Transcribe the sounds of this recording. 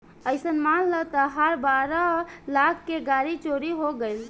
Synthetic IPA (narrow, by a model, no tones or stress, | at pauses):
əɪsənmalːət̪əɦəɾbaɾəlakʰkːeɡaɾit͡ʃoɾiɦoɡeɪl